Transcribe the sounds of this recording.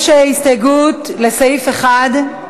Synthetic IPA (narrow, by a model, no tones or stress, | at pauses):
ʃeistaɡutlesejifeχad